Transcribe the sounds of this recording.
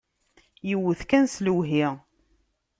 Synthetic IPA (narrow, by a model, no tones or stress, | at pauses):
jəwːəθkænsləwɦi